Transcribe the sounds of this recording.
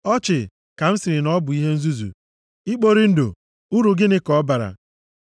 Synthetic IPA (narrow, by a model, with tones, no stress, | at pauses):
ɔ˦t͡ʃɪ˨ | ka˨m̩˦sɪ˨ɾɪ˨nɔ˦bʊ˨i˦ɦe˦n̩˦zu˦zṵ˨ | i˦k͡po˦ɾi˦n̩˦do̰˨ | u˦ɾu˨ɡɪ˦nɪ˦kɔ˦ba˨ɾa̰˨